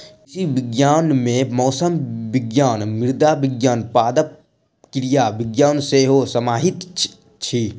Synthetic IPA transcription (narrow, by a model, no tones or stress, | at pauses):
kɪsiʋɪɡjaːnmẽmɔːsəmbɪɡjaːnmɪɾd̪aːʋɪɡjaːnpaːd̪əp̚ | kɾijaːʋɪɡjaːnseːɦosɐmaːɦɪt̪ | t͡ʃʰi